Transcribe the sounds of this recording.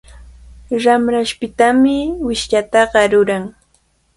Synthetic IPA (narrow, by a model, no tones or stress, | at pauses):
ɾamɾaʃpɪt̪amɪwɪʃʎat̪ɑɢɑɾʊɾaŋ